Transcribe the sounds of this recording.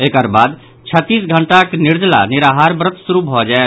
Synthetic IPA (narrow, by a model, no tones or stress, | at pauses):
ekəɾbad̪ | t͡ʃʰət̪ːisɡʱəɳʈakniɾd͡ʒla̰niɾaɦaɾbɾət̪suɾubʱɔd͡ʒae